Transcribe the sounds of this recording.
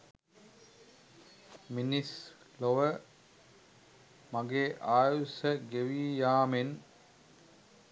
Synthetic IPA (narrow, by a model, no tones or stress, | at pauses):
minis | loʋə | maɡeːʔaːjusəɡeʋijaːmen